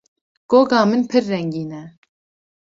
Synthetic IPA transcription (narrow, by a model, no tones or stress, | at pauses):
ɡ̥oːɡɑːmɨnpʰɨɾːɛŋɡiːnɛ